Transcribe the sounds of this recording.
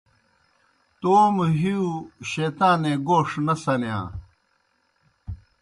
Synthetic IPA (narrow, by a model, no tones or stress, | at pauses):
t̪oːmɦiuɕeːt̪ãːneɡoːʂnɐsɐnjã̰ː